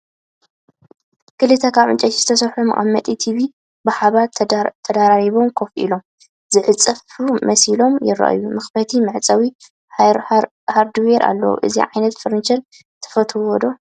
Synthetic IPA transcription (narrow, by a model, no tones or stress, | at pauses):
kɨlɨt̪ʰɐkʰaβʔɨnt͡ʃʼɐt̪izɨt̪ʰɐsɐɾħumɐʔʼa̰mːɐt̪ʼit̪ʰiβi | bɨħaβatt̪ʰːɐd̪aɾaɾiβo̞mkʰo̞fʔḭlo̞m | z̥ɨħɨt͡sʼɐfumɐsilo̞mjɪ̰rɐ̰ʔjumɨxbɐt̪ʰimɨʕt͡sʼɐwi | haɾd̪ɨweɾʔa̰lːɐ̰wṵʔɨzḭʕajnɐt̪fɨɾnt͡ʃɐn | t̪ʰɐ̥fɐt̪ʰɨwɔd̪o̞